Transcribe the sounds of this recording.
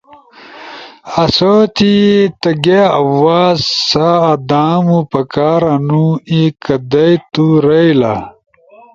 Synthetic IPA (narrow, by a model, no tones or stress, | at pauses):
ɐsot̪it̪ɐɡeɐ̰waːzsaːd̪aːmupɐkaːɾanuikɐd̪ɐjt̪uɾɐjla̰